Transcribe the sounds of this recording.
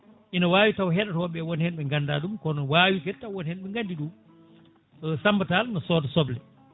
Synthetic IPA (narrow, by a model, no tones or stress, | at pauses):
ʔinawaːwitawɦɛɗatɔɔɓɛwɔnhɛnɓɛŋɡanda̰ːɗumkɔnɔwaːwikɛtːawwɔnhɛnɓɛŋɡandiɗu | sambatalnɔsɔːdɔsɔblɛ